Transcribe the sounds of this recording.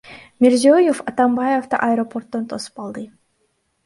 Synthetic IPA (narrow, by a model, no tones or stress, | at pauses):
mʲeɾziojofɑt̪ambajoft̪ɑ̰ʔɐjɾopo̞rt̪ːont̪ʰo̞su̥pɑlˠd̪ɯ